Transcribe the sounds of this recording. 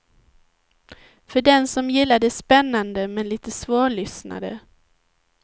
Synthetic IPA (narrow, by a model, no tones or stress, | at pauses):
fœɖɛnsɔmjɪlːad̪əspɛnːand̪əmɛnliːt̪əsvoːɭʏsna̰d̪ə̰